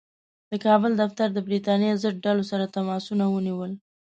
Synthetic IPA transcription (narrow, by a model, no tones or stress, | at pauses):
d̪̥əkɑbəld̪aft̪aɾd̪əbɾit̪ɑnjezəɖ̚ɖalosaɾat̪amɑsunawəniwəl